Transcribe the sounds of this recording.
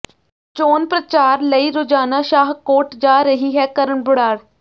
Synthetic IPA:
t͡ʃoːnpɾət͡ʃaːɾləiːɾoːd͡ʒaːnaːʃaːɦkoːʈd͡ʒaːɾəɦiːɦɛːkəɾəɳbʊɽaːɽ

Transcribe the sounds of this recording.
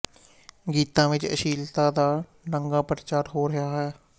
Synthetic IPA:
ɡiːt̪ãːʋɪt͡ʃə̰ʃiːlt̪ãːd̪aː | nəŋɡaːpɾt͡ʃaːɾɦoːɾɪɦaːɦɛː

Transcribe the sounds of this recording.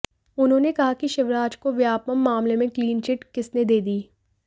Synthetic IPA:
ʊnɦõːnekɐɦakiʃɪʋɾaːd͡ʒkoʋjaːpəmːaːmlemẽkliːnt͡ʃɪʈkɪsned̪eːd̪iː

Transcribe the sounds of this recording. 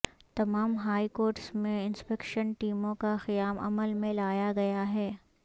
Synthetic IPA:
t̪ɐmaːmɦaːikoːɾʈsmẽɪnspɛkʃənʈiːmõkaxɪjaːmɐ̰məlmẽlaːjaɡɐjaɦɛː

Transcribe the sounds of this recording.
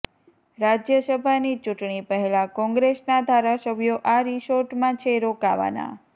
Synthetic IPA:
ɾad͡ʒjəsəbʱanit͡ʃuʈɳipəɦelakɔ̃ŋɡɾesnad̪ʱaɾasəbʱjoʔaɾiʃoɾʈmãt͡ʃʰeɾokaʋa̰na̰

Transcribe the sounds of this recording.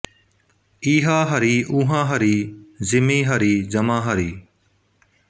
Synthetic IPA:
iːɦaːɦəɾiːʔuːɦãːɦəɾiːzɪmiːɦəɾiːd͡ʒəmãːɦəɾiː

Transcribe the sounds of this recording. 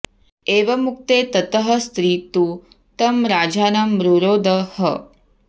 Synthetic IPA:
eːʋɐmuk̚t̪eːt̪ɐt̪ɐɦɐ̆st̪ɾiːt̪u | t̪ɐmɾaːd͡ʒaːnɐmɾuɾoːd̪ɐhɐ

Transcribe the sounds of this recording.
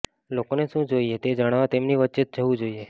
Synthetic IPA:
lokoneʃũd͡ʒoiet̪ed͡ʒəɽ̃aʋat̪emniʋətːt͡ʃet̪̚d͡ʒəʋũd͡ʒoie

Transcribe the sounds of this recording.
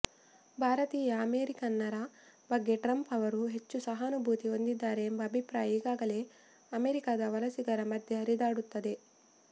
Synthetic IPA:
bʱaːɾɐt̪iːjɐːmeːɾikɐnːɐɾɐ | bɐɡːe̞ʈɾɐmpɐʋɐɾuɦe̞t͡ʃːusɐɦaːnubʱuːt̪io̞nd̪id̪ːaːɾe̞ːmbɐːbʱipɾaːjɐiːɡaːɡɐle̞ː | ɐme̞ːɾikaːd̪ɐʋɐlɐsiɡɐɾɐmɐd̪ʱjɐɦɐɾid̪aːɽut̪ːɐd̪e̞

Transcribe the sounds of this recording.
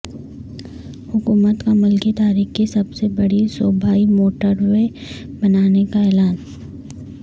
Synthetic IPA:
hʊkuːmət̪kamʊlkit̪aːɾiːxkisɐbsebɐɽisoːbʱaːimoːʈəɾwe | bɐnaːnekaɛːlaːn

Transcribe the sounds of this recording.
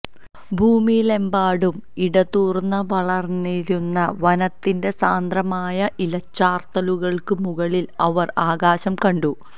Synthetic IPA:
bʱuːmile̞mbaːɽumiɽɐt̪uːrnːɐʋɐɭɐrniɾunːɐʋɐnɐt̪ːinde̞saːnd̪rɐmaːjɐʔilɐt͡ɕːaːrt̪ɐluɣɐɭkɨmuɣɐɭilɐʋɐraːɣaːɕɐmkɐɳɖu

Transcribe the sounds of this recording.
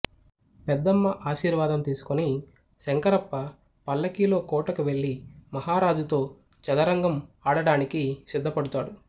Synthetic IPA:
pɛd̪ːɐmːɐʔaːʃiːɾʋaːd̪ɐmt̪iːsu̥kuni | sɛŋkɐɾɐpːɐ | pɐlːɐkiːlo̞ːkɔːʈɐkuʋe̞ɭːimɐɦaːɾaːd͡ʒut̪o̞ː | t͡ʃɐlɐɾɐŋɡɐmaːɽɐɽaːnikisid̪ʱːɐpɐɽut̪aːɽu

